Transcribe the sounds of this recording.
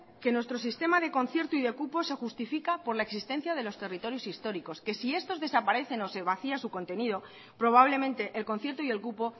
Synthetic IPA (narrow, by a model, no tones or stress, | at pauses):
ke̞nwest̪ɾo̞s̬ist̪e̞maðe̞ko̞n̟θje̞ɾt̪uiðe̞kupo̞se̞xust̪ifikapo̞ɾlaeksist̪e̞n̟θjað̞e̞lo̞st̪e̞rit̪o̞ɾjo̞sist̪o̞ɾiko̞ske̞sie̞st̪o̞zðe̞sapaɾe̞θe̞no̞seβ̞aθiasuko̞nt̪e̞niðo̞ | pɾo̞β̞aβ̞le̞mẽnt̪e̞ʔelko̞nθje̞ɾt̪oie̞lkupo̞